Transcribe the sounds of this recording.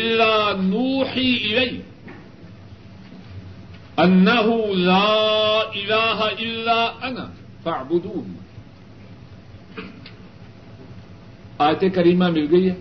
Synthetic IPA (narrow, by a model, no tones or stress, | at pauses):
ʔɪlːaːnuːħiʔɪlajk | ʔanːaɦʊlaːʔɪlaːɦaʔɪlːaːʔana̰ | faʕbʊd̪uːn | ʔaːjt̪ekɐɾiːmamɪlɡejːa